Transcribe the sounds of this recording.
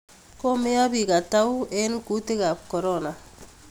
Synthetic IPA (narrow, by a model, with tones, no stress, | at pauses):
kɔ˦me˦ja˦bika˨ta˦wɛ˦nku˦te˦kap̚kɔ˨ɾɔna˨